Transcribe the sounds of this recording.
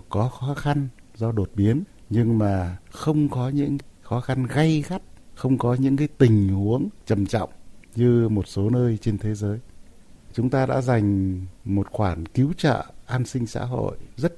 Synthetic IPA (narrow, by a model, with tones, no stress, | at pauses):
kɔ˨˦xɔ˨˦xa˧nzɔ˧ɗo˨˩t̚ɓi˨˦ənɲɨ˧ŋmaː˨˩xə˧wŋ͡mkɔ˨˦ɲɨ̰˧˥ŋ˦xɔ˨˦xa˧nɣa˧jxa˦˥t̚xə˧wŋ͡mkɔ˨˦ɲɨ̰˧˥ŋkaː˨˦jt̪ï˨˩ŋ̟hu˨˦əŋt͡ɕə˨˩mt͡ɕɔ̰˧˨wŋ͡mɲɨ˧mo˨˩t̚so˨˦nəː˧jt͡ɕe˧nt̪ʰe˨˦zəː˨˦j | t͡ɕʊ˨˦ŋ͡mt̪aː˧ɗa̰ː˧˥za˨˩jŋ̟mo˨˩t̚xwaː˧˩nki˨˦wt͡ɕə̰ː˧˨ʔaː˧nsï˧ŋ̟sa̰ː˧˥ɦo̰˧˨jzə˦˥t̚